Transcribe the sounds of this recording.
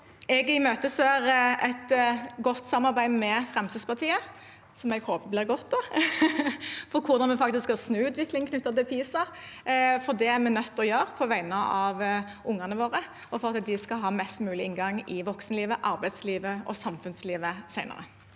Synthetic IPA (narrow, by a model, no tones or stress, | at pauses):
ɛɡɪmøːt̪əsɔæʁɛt̪ɡɔt̪ːsɑmːɑʁbæɪmɛfʁɛmst̪ʉspʰɑt̪ʰiːə | sɔmɛɡhoːpəbliːʁɡɔt̪ːd̪oː | fɔɾkʰʊʁd̪ɑnmɛfɑk̚t̪ɪskhɑsnʉːʉːt̪ʰʋɪklɪŋkʰnʉt̪ːət̪ɪlpʰiːsɑ | fɔʁd̪ɛæʁmɛnœt̪ːɔjøːʁpʰɔʋæɪnəɑʋ | ʔʊŋːɑnəʋoːʁə | ɔfɔʁɑt̪d̪ɪskɑɦɑːmɛst̪mʉːlɪɪnɡɑŋːɪʋɔksnəliːʋəʔɑɾbæɪd̪sliːʋəʔɔ̰sɑmfʉnsliːʋəsæɪnə̰ʁə̰